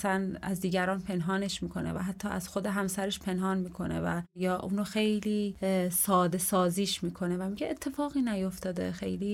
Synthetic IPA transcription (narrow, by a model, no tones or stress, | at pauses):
sænæ̰zd̪iːɟæɾɒːnpʰe̞nɦɒːne̞ʃmiːkʰo̞nḛvæ̰ɦæt̪ʰːɒːʔæz̥xod̪eɦæmsæɾeʃpʰe̞nɦɒːnmiːkʰo̞̰nḛvæ̰jɒːʔuːnoxe̞jliːsɒːd̪e̞sɒːziːʃmiːkʰo̞nevæmiɟeʔet̪ʰːe̞fɒːɣiːnæjo̞ft̪ɒːd̪ḛxejliː